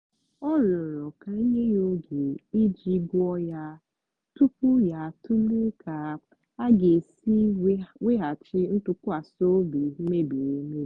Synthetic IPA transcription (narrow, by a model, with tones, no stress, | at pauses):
ɔ˦ɾʊ˨ɾɔ˨ka˨i˦ɲe˦jo˦ɡe˨i˦d͡ʒi˦ɡu˦ɔ˦ja˦ | tu˦pu˦ja˦tu˦lu˦kʰa˨ | a˦ɡe˨si˦we˦ɦa˨t͡ʃɪ˦n̩˦tu˦ku˦a˨so˦bi˨m̩˦me˦bi˨ne˨˦me˦˨